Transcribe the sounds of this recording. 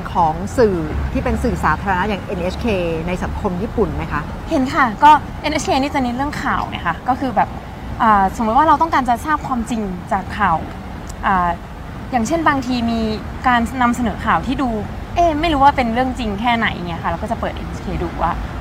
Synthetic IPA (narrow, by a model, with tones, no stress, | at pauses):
nkʰɔː˨˩˦ŋsɯː˨˩t̪ʰiː˥˩pe˧nsɯː˨˩saː˩˦t̪ʰa˧ɾa˧na˦˥jaː˨˩ŋʔe˧nʔe˦˥skʰeː˧na˧jsa˩˦ŋkʰo˧mjiː˥˩pu˨˩nma˦˥jkʰa˦˥ʔ | he˩˦nkʰa˥˩kɔː˥˩ | ʔe˧nʔe˦˥kʰeː˧niː˥˩t͡ɕa˨˩ni˦˥ɾɯ˥˩əŋkʰaː˨˩wŋa̰˦˥kʰa˦˥kɔː˥˩kʰɯː˧bɛː˨˩p̚ | ʔaː˨˩so˨˩˦mu˦t̪̚waː˥˩ɾa˧wt̪ɔ˥˩ŋkaː˧nt͡ɕa˨˩saː˥˩p̚kʰwaː˧mt͡ɕi˧ŋt͡ɕaː˨˩kʰːaː˨˩w | ʔaː˨˩ | jaː˨˩ŋt͡ɕʰe˥˩nbaː˧ŋt̪ʰiː˧miː˧ | kaː˧nːa˧msa˧nɤː˩˦kʰaː˨˩wt̪ʰiː˥˩duː˧ | ʔeː˧˩ma˥˩jɾuː˦˥waː˥˩pe˧nɾɯ˥˩əŋt͡ɕi˧ŋkʰɛː˥˩na˨˩˦jʔa˨˩ŋi˦˥ɐkʰa˥˩lːwkɔː˥˩t͡ɕa˨˩pɤː˨˩t̪̚ʔḛ˧nʔe˦˥kʰeː˧duː˧˩waː˥˩